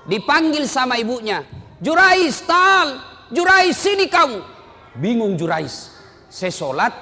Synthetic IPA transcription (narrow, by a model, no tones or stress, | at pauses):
dipaŋɡilsamaibuʔɲa | d͡ʒuɾaist̪aːl | d͡ʒuɾaisːinikamu | biŋuŋd͡ʒuɾaisː | ɛsolat̪̚